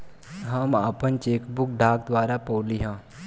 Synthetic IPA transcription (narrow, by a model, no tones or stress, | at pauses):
ɦəmapənt͡ʃeːkbʊk̚ɖʱaːk̚d̪ʋaːɾapəːliɦãː